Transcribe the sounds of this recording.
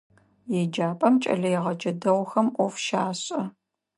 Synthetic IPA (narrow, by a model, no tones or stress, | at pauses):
jed͡ʒaːpʼɐmt͡ʃʼɐ̰ɮɐjɛʁɐd͡ʒɐdɐʁwʷxɐmʔʷɔfʃaːɕʼɐ